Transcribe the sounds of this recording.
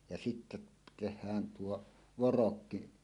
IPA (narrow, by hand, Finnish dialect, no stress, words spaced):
jɑ sitːæ tehˑæːn tuo ʋorokːi